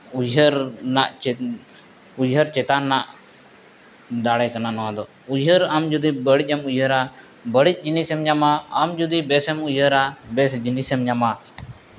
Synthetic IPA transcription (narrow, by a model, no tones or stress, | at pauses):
ujəɾnaʔ | ujəɾt͡ʃɛt̪anaʔ | d̪aɽɛjkananɔwãd̪ɔ | ujɦəɾamd͡ʒud̪ibəɽic̚ˀamujəɾa | bəɽic̚ˀd͡ʒinisɛmɲamaːmd͡ʒud̪ibɛsɛmujəɾabɛsd͡ʒinisɛmɲama